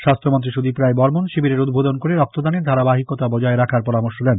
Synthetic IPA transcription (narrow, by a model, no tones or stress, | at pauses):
ʃast̪ʰɾomont̪̬ɾiʃud̪ipɾaebɔɾmonʃibiɾeɾud̪̚bʱod̪onkoɾeɾɔk̚t̪od̪aned̪ʱaɾabaɦikot̪abɔd͡ʑaeɾakʰaɾpɔɾamoɾʃolɛn